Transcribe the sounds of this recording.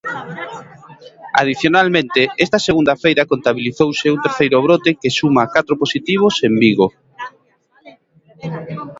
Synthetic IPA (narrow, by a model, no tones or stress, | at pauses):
a̰ð̞iθjonalmẽnt̪eɛst̪ɐseɣund̪ɐfejɾɐkont̪aβiliθowsɪunt̪eɾθejɾʊβ̞ɾot̪ekesumakat̪ɾoposit̪iβ̞osembiɣo